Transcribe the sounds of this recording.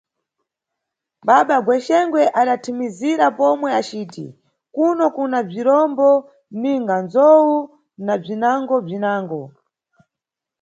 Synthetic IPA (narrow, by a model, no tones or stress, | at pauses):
ɓaɓaɡwɛʃɛŋɡwɛʔaɗatʰimiziɾapɔmwɛat͡ʃiːtḭ | kunɔkunab͡ʐiɾɔmbɔ | niŋɡanzɔwu | nab͡ʐinaŋɡɔb͡ʐinaːŋɡɔ